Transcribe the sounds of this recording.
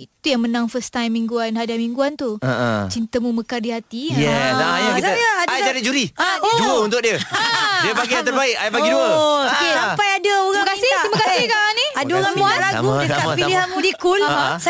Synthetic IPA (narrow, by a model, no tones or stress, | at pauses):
it̪ujaŋmənãŋfəst̪ajmːĩŋɡuanɦadamiŋɡuant̪uət͡ʃint̪əmũməkadiɦat̪ijɛajakit̪əjaaajd͡ʒadit̚d͡ʒuɾiaod͡ʒuəunt̪ʊk̚diədiəbaɡiat̪ərbaɪkajbaɡiduəokesampajadaoɣaakaiɪɾimakasɪhkaanĩadaoɣaualaɡuəkapiliɦamudikuls